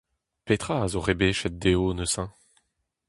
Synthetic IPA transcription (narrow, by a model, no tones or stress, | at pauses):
pet̪χaːzoʁebeːʃɛt̪̚d̪eonøsã